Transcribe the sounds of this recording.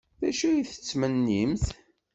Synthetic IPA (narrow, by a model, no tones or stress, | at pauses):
ðæʃujiθə̥t͡sːmənːimθ